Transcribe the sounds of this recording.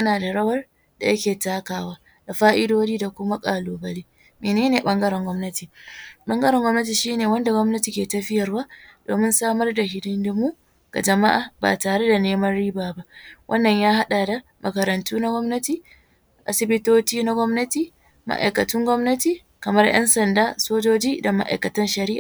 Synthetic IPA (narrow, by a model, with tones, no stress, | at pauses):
jɐ˦naː˨da˨ɽɐ˦wɐ˦r | da̰˨jɐ˦kʲeː˨taː˦kaː˨waː˦ | da˨ɸaː˦ʔɪ˦doː˦d͡ʒiː˦da˨kʷʊ˦ma˦kʼaː˨loː˨bɐ˦liː˦ | meː˨neː˦neː˨ɓɐ˦ŋɡɐ˦ɾɛ˨ŋɡʷɔ˦mnɐ˦tiː˨ɓɐ˦ŋɡɐ˦ɾɛ˨ŋɡʷɔ˦mnɐ˦t̬iː˨ʃiː˦neː˨wɐ˦nda˨ɡʷɔ˦mnɐ˦ti˨kʲeː˨tɐ˦ɸɪ˦jɐ˨rwaː˦d̥o̰ː˨mɪ˦nsaː˦mɐ˦rda˨hɪ˨dɪ˦ndmu˦ | ɡ̥a̰˨d͡ʒɐ˨ma˦ʔa̰ː˨ba̰ː˨taː˨ɽe˦da˨neː˦mɐ˦nɽiː˦baː˨ba˦ʔwʔɐ˦nːɐ˨ɲjaː˦ɦa˦ɗa˨da˨ | mʔɐ˨kɐ˨ɾɐ˨ntuː˦na˦ɡʷɔ˦mnɐ˦tiː˨ | ʔa̰˨sɪ˦bɪ˦toː˦t͡ʃiː˦na˦ɡʷɔ˦mnɐ˦tiː˨ | ma̰˦ʔa̰˨jkɐ˨tɪ˦ŋɡʷɔ˦mnɐ˦tiː˨ | kɐ˨mɐ˦rjʔɐ̰˦nsɐ˨ndaː˦soː˦d͡ʒoː˦d͡ʒiː˦da˨ma̰˦ʔa̰˨jkɐ˨tɐ˦nʃɐ˨ɾɪ˦ʔaː˨